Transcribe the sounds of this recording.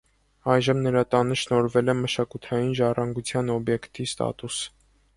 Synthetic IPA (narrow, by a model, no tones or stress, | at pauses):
ɑjʒəmnəɾɑt̪ɑnəʃnɔɾvɛlɛməʃɑkut̪ʰɑjinʒɑrɑŋɡut͡sʰjɑnɔbjɛkt̪ist̪ɑ̰t̪us